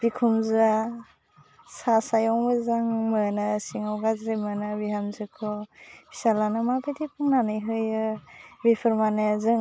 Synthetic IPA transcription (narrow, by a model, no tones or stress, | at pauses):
b̥ikʰumza | sasajɔŋbɯzaŋmɯnasiŋawɡazɾemɯnabiɦamzɯkʰɔb̥i̥salanɯmapetipʰuŋnanɯjɦɯjɯbipʰɯɾmanɯzɯŋ